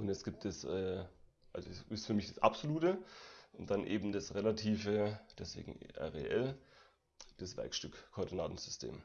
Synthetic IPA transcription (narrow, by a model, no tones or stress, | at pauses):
ʔʊntɛsɡ̥iːp̚tdɛsʔɛː | ʔalzosɪstfyɐmɪçd̥ḁsʔa̰pz̥oluːtəʔʊnt̚d̥anʔeːbm̩dasʁelatʰiːfəd̥ɛsv̥ḛːɡŋ̩ʔɛ̰ʁḛʔɛl | d̥asv̥ɛ̰ɐkʃtʏkkʰːɔːɐdinaːtn̩z̥ʏstʰḛːm